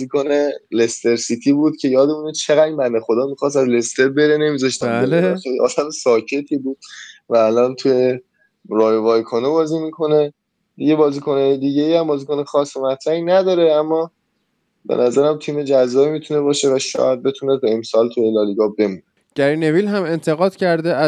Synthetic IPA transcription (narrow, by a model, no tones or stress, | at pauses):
zikʰonelest̪eɾsiːt̪ʰiːbuːd̪̥̚cʰe̞jɒːd̪emunet͡ʃʰeɣæd̪mænexod̪ɒːmixɒːs̬t̪æzle̞st̪e̞ɾbe̞ɾene̞miːzɒʃt̪æbelesɒjɒ̰ːd̪æmsɒːcʰe̞t̪ʰiːbuːd̪̥̚væːlɒːnt̪ʰuje | ɾɒːjovɒːjkʰonobɒːziːmikʰo̞ne̞ | d̪̥iɟe̞bɒːziːkʰonɛːjed̪iɟeihæmbɒːziːkʰonexɒːsːomæt̪ʰɾæhinæd̪ɒːɾe̞æmːɒː | bḛnæzæɾæmt̪ʰiːme̞d͡ʒæzːɒːimiːt̪ʰune̞bɒːʃe̞væʃɒ̰ːjæd̪̚be̞t̪ʰuneb̪eemsɒːlt̪ʰujelɒːliɡɒbe̞muːne | ɟ̥æɾinevilɦæme̞nt̪ʰeɣɒːd̪̥cʰæɾd̪eʔæ